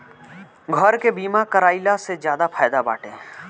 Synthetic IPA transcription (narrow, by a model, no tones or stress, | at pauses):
ɡʱɔɾkebiːmakəɾaːilasezjaːd̪afʰaːjd̪aba̰ːʈẽː